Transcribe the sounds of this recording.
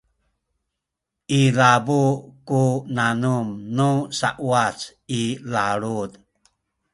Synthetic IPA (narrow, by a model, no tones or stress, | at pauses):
ʔilabukunanumnusa̰ʔuat͡s | ilaɭud̪